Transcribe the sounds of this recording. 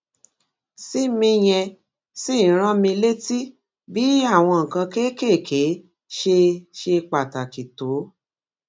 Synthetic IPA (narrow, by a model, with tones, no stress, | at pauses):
si˦mĩ˧j̃ɛ̃˧ | si˦˨˦ɾ̃ã˦mĩ˧le˦ti˦ | bi˦a˦˨w̃ɔ̃˧ŋ̩˨kã˧ke˦ke˦˨kʰe˨˦ | ʃe˧ʃe˧k͡pa˨ta˨ki˨to˨˦